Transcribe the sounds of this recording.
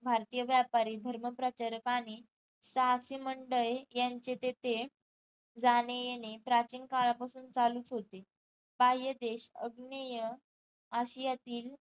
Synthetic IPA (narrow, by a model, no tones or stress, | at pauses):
bʱaɾt̪ijəʋjapaɾiːd̪ʱəɾməpɾət͡ɕəɾkañi | sasiməɳɖəjjaɲt͡ɕet̪et̪e | d͡zanejenepɾat͡ɕiːnkaɭapasuːnt͡saluːt͡sɦot̪e | baɦijəd̪eɕəɡnəjə | aɕijat̪iːl